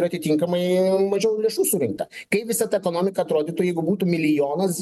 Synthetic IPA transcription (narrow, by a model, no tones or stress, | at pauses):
ɾɐt̪ʲɪt̪ʲiŋkɐmɐɪmɐʒʲɛʊlʲeːʃuːsuːɾʲɪŋk̚t̪ɐkɐɪpʋʲɪsɐt̪ɐɛkoːnoːmʲɪkɐɐt̪ɾoːd̪ʲiːt̪ʊjɛɪɡʊbuːt̪ʊmʲɪlʲɪjoːnɐs